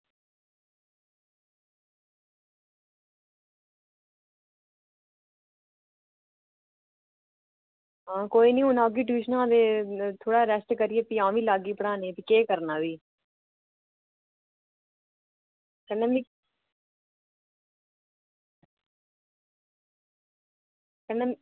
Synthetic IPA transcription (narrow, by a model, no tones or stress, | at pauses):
ɦãːkoːiːnĩːʊnaːɡiːʈiːʃnãːd̪eːt̪ʰoːɽaːɾɛsʈkəɾɪjeːpiãːʋiːlaːɡiːpəɽãːnẽːpikeːkəɾnaːʋiː | kənːẽmi | kənːe